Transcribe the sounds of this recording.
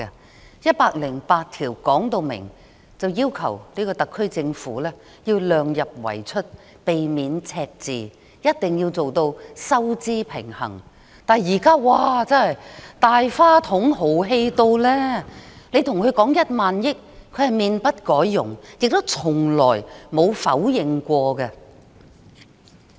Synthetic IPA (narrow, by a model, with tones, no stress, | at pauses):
jɐ˥t̚paː˧k̚lɪ˨˩ŋpaː˧t̚t̪ʰiː˨˩wkɔː˨˥ŋt̪o˧wmɪ̰˨˩ŋ | t͡sɐ˨wjiː˥wkʰɐ̰˨˩wniː˥kɔː˧t̪ɐ˨kʰːɵ˥ɥt͡sɪ˧ŋfṵː˨˥lɛː˥ | ji˧wlœː˨ŋjɐ˨p̚wɐ̰˨˩jt͡ʃʰɵ˥t̚ | pe˨jmiː˨˧nt͡sʰɛː˧k̚t͡sḭː˨ | jɐ˥t̚t̪ɪ˨˩ŋji˧wt͡so˨wt̪o˧wsɐ˥wt͡siː˥pʰɪ̰˨˩ŋhɐ̰˨˩ŋ | t̪aː˨˩jjiː˨˩kaː˥waː˧t͡sɐ˥hɐ˨jt̪aː˨jfaː˥t̪ʰʊ˨˥ŋho˨˥wɦe˧jt̪o˧wlɛː˥ne˨˧jt̪ʰʊ˨˩ŋkʰɵ˨˧kɔː˨˥ŋjɐ˥t̚maː˨njɪ˥k̚kʰːɵ˨˧ɥhɐ˨jmiː˧npɐ˥t̚kɔː˨˥jːʊ̰˨˩ŋjɪ˨k̚t̪o˥wt͡sʰʊ˨˩ŋlɔː˨˩jmo˨˧wfɐ˨˥wjɪ˨ŋkʷɔː˧kɛ˧